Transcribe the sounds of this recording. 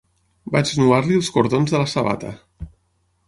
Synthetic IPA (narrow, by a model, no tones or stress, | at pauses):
bad͡ʒnuaɾliəlˠskuɾðonzðələsəβa̰t̪ə̰